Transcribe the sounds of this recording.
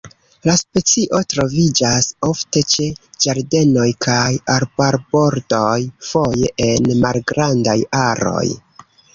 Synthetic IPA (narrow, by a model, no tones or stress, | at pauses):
laspe̞t͡siʔo̞tɾo̞vid͡ʒaso̞fte̞t͡ʃe̞d͡ʒaɾde̞no̞jkʰajaɾbaɾbo̞ɾdo̞jfo̞jeʔenmalɡɾandajaɾo̞̰j